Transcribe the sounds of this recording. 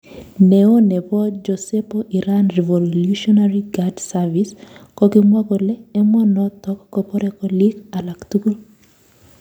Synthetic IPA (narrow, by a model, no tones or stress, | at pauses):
neonɛpɔd͡ʒosepoʔiɾanrɛvoluʃɔnaɾiɡadsaviskɔɡɪmwaɡɔlɛɛmɔnɔtɔkkɔpɔɾɛkɔlikalakt̪uku